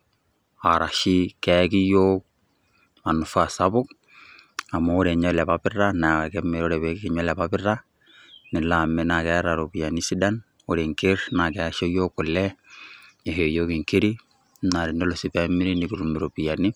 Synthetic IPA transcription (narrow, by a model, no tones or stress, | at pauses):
aɾaʃikɛkijo | manufasabʊk̚ | amaoɾeɲɔlɛpapɪranakɛmeɾoɾɛpɛkkiɲɔlapapɪra | nilamɛnakɛɾaɾopijanisidan | oɾeŋkeɾnakɛaʃojokːulːɛ | eɦejokiŋkeɾi | naɾindolosipɛmiɾenikuɾumiɾopijani